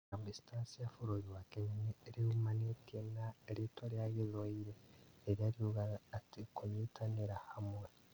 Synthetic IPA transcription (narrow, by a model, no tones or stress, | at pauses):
ambistaːsijafuɾuɾiwakeɲineeɾihumanetienaeɾitoɾjaɣizoiɾeeɾiaɾiuɣaːtikuɲitʰaniɾahamwe